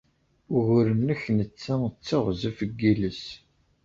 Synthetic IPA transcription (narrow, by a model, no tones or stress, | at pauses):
ʊʁʊɾəmnəçnət͡sːæət͡sːaʁzifəɡːiləs